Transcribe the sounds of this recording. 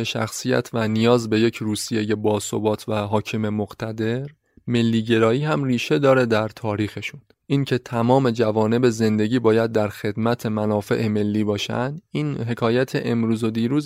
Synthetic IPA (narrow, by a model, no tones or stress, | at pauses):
eʃæ̰xsijæ̰t̪ʰvænijɒːzbe̞je̞cʰɾuːsije̞je̞bɒːso̰bɒːt̪ʰvæɦɒːcʰime̞moɡt̪ʰæd̪e̞ɾ | me̞lːiːɟe̞ɾɒːiːhæmriːʃe̞d̪ɒːɾe̞d̪æɾt̪ʰɒːɾiːxe̞ʃun | ʔiːncʰe̞t̪ʰæmɒːme̞d͡ʒævɒːne̞be̞ze̞nd̪e̞ɟʲiːbɒːjæd̪ːæɾxe̞d̪mæt̪ʰe̞mænɒːfe̞̰ʔeme̞lːiːbɒːʃæ̰nd̪iːnɦe̞kʰɒːjæt̪ʰeʔe̞mɾuːzo̞d̪iːɾuːz